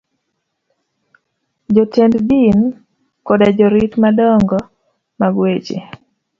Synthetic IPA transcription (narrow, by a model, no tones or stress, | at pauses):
d͡ʒɔtenddin | kɔdad͡ʒɔɾitmadɔŋɡɔ | maɡwet͡ʃḛ